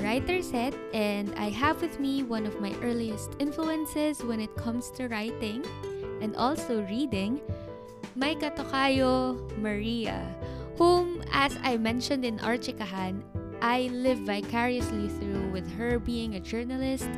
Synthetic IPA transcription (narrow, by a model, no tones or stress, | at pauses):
ɹajt̪ɛɹshɛt̪̚ʔɛ̃nd̪a̰jɦɐvwɪðmiwɐ̃nɔvmajʔɛɹliɛst̪ɪ̃nfluɛ̃nsɛswɛ̃nɪt̪̚kʰʌ̃mst̪ʰʊɹajt̪ɪ̃ŋʔɛ̃nd̪ɔlsoʊɹiːd̪ɪ̃ŋ | mɐjkɐt̪okaːjomɐɹiɐ̰hũmɐsajmɛ̃nʃɔ̃nd̪ɪ̃nʔa̰ɹt͡ʃɪkɐɦan | ʔajlɪvːajkʰɛɹiɐsliθɹuwɪðɦəɹbiːɪ̃ŋɐd͡ʒɛɹnɐlɪst̪̚